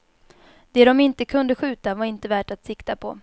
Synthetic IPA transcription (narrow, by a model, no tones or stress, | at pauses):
d̪̥ɛd̪ɔmɪnt̪əkʰɵnd̪əɧʉ̟ːt̪avaɾɪnt̪əvæːʈat̪sɪkt̪apʰɔ